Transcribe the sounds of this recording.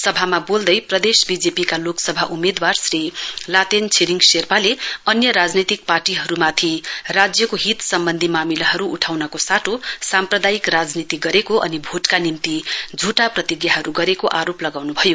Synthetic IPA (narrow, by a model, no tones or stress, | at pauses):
sʌbʱamabold̪ʌjprʌd̪esbid͡zepikaloksʌbʱaʔumed̪warsrilat̪ent͡sʰeɾiŋɡserpaleʌnjʌɾad͡znit̪ik̚parʈiɦʌɾumat̪ʰirad͡zjʌkoɦit̪sʌmbʌnd̪ʱimamilaɦʌɾuːʈʰawnʌkosaʈʰosamprʌd̪ajikrad͡znit̪iɡʌɾekoʔʌnibʱoʈkanimt̪id͡zʱuʈaprʌt̪iɡjaɦʌɾuɡʌɾekoʔaɾoplʌɡawnubʱʌjo